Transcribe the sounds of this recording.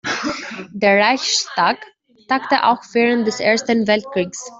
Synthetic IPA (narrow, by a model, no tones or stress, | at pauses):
deːɐʁaɪçʃtaːk | taktəʔa̰ʊxv̥eːʁənt̚d̥ɛsʔeːɐstənvɛlt̚kʁ̥iːks